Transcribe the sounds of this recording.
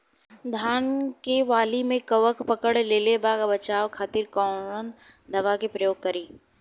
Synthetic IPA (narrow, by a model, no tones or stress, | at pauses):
d̪ʱaːnkeʋaːlimẽkɐʋəkpɐkəɽleːlebaːɡbɐt͡ʃaːʋkʰaːt̪iɾkɔːɽənd̪ʱɐʋakepɾɐjoːɡ̚kɐɾiː